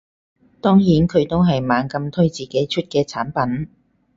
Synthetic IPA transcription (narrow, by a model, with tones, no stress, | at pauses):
t̪ɔː˥ŋjiː˨˥nkʰɵ˨˧ɥt̪o˥wɦɐ˨jmaː˨˧nkɐ˧mt̪ʰɵ˥ɥt͡siː˨ke˨˥jt͡ʃʰɵ˥t̚kɛː˧t͡sʰaː˨˥npɐ˨˥n